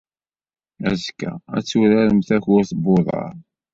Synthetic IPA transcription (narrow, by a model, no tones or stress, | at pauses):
æzkæ̰æ̰t͡sːʊɾaɾəmθæçʊɾθboðˤɑ̰ɾ